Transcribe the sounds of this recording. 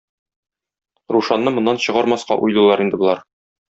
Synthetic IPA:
ɾuʃɑnːɤmŏnːɑnɕɤ̆ʁɑɾmɑsqɑ̰ʔujlulˠɑɾind̪ɘ̆bŏlˠɑɾ

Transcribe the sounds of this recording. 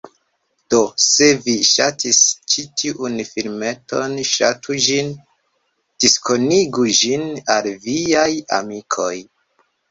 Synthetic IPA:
d̥o̞se̞viʃatʰist͡ʃitʰiʔunfilme̞to̞nʃa̰tʰud͡ʒin | d̥iskʰo̞niɡud͡ʒinalviaja̰mikʰo̞̰j

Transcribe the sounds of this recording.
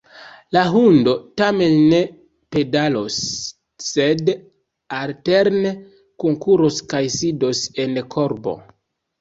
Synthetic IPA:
laɦundo̞tame̞nːe̞ | pe̞dalosː | e̞d | alte̞ɾne | koŋkuɾoskajsidose̞nkʰo̞ɾbo̞̰

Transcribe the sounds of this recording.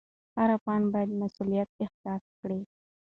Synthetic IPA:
haɾapɑnbɑjad̪masulijat̪̚ɪxt̪ɑtkɽi

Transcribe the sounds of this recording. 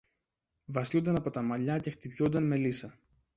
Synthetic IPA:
vɐsund̪ɐnɐpo̞t̪ɐmɐʎɐce̞xt̪ipçond̪ɐnme̞lisɐ

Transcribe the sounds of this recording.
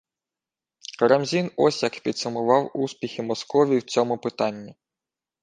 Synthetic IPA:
kɾɐmzʲinɔsʲjɐkpʲid̪sɐmʊʋɑwuspʲixʲimɔskɔʋʲiwt͡sʲɔmʊpɪt̪ɑnʲːi

